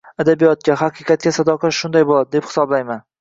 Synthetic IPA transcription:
ad̪abijɒt̪̚kʲaɦaqʰɨqɑt̪̚kʲasad̪ɒqʰaʃʊnd̪ajbolˠad̪ɪd̪ephɪ̥sɒblajman

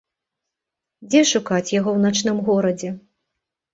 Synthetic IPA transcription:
d͡zʲɛʂukat͡sʲjaɣɔwnat͡ʂnɨmɣɔɾɐd͡zʲɛ

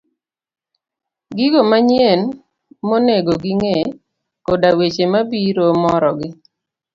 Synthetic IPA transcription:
ɡiɡomaɲen | moneɡoɡiŋe | kodawet͡ʃemabiɾomɔɾɔɡɪ

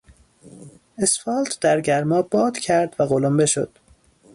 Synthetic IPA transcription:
esfɒlt̪ʰd̪̥æɾɟæɾmɒːbɒːd̪̥cʲʰæɾd̪væɣolombe̞ʃo̞̰d̪̥

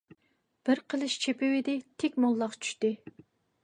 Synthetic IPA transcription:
b̥ɪɾqʰəlˠɨʃt͡ʃʰepɪwɪd̪ɪt̪ʰekʲmolˠːɑqt͡ʃʰy̥ʃt̪ɪ

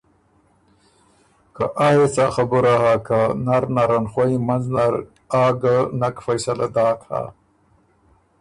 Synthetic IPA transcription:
kaʔajet͡saxabuɾahakanaɾnaɾanxwaimanznaɾ | aːɡanakfajsalad̪aːt̪ha̰

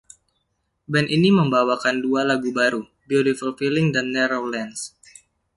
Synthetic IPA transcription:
bɛnʔiniməmbawakandualaɡubaɾu | biodifɔlfilɪŋdanːɛɾowlɛns

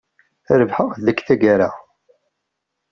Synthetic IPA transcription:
ɾəvħəʁðəkθæɡaɾa

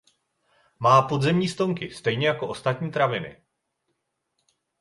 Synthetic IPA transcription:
maːpo̞dzɛmɲiːst̪o̞ŋkɪst̪ɛjɲɛjako̞ʔo̞st̪at̪ɲiːt̪ɾavɪnɪ̰

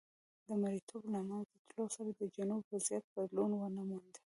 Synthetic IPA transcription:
d̪əmaɾit̪ʰoblamanzd̪ət̪losaɾad̪əd͡ʒanubwazijat̪̚bad̪lunwənamand̪ə̥

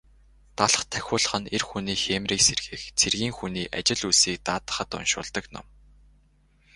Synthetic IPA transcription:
t̪aɮχt̪ʰæxʲʊːɮə̆χə̆nerxuniːxemriːkserɣeːxt͡sʰerɣiːŋxuniːʔa̰t͡ɕɪ̆ɮusiːk̚t̪aːt̪ə̥̆χə̆t̪ʊ̰nʃʊ̰ːɮt̪ə̆knɔ̰m

